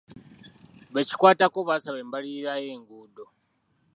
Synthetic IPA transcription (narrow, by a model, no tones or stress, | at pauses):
βeci̥kwaːtakoβasaβeːmbaliɾajeːŋɡuːdo